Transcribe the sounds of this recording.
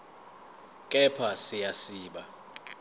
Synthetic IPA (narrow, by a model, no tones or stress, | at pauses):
kʼɛpʰasijasiːɓa